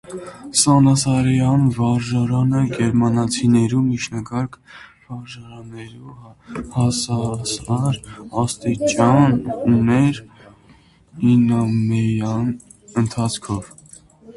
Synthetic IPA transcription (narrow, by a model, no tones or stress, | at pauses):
sɑnɑsɑɾjɑnvɑɾʒɑɾɑnəɡɛɾmɑnɑt͡sʰinɛɾumit͡ʃʰnɑɡɑɾkʰvɑɾʒɑɾɑnɛɾuhɑsɑsɑɾɑst̪it͡ʃɑnunɛɾ | inɑmɛjɑn | ənt̪ʰɑt͡sʰkʰɔv